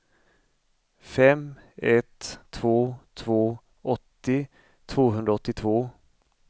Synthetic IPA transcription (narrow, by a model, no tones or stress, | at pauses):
fɛmɛt̪ʰːv̥oːt̪ʰvoː | ɔt̪ːɪ | t̪ʰv̥oːɦɵnd̪ɾaɔt̪ːɪt̪ʰvoː